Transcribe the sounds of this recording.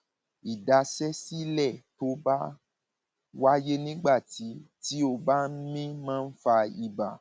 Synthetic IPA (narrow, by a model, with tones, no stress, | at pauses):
i˨da˨sɛ˦si˦lɛ˦˨to˦ba˦ | wa˦je˦nĩ˦ɡ͡ba˦˨ti˨˦ti˨˦o˦˧˨ba˦mĩ˦mãː˦˧n̩˦fa˧i˨ba˨